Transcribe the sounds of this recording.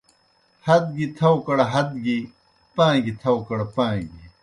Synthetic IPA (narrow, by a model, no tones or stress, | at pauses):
hɐd̪̚ɡit̪ʰɐwkɐɽɐɦɐd̪ɡi | pãːɡit̪ʰɐwkɐɽapãːɡi